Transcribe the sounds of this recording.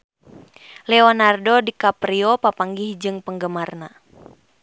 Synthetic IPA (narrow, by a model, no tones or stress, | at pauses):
lɛɔnardodikapɾiɔpapaŋɡihd͡ʒɨŋpəŋɡəmarna